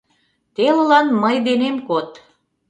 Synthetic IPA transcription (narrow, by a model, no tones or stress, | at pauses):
t̪eləlɑnməjd̪enemkot̪